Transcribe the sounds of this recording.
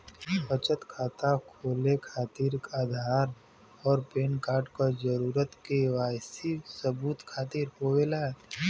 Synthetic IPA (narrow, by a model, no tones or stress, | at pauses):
bət͡ʃət̪kʰaːt̪akʰoːlekʰaːt̪iːɾkaːd̪ʱaːɾ | ɔːɾpeːnkaːɾʈkad͡ʒəɾuːɾət̪keʋaːjsisəbuːt̪kʰaːt̪iːɾɦoːwelaː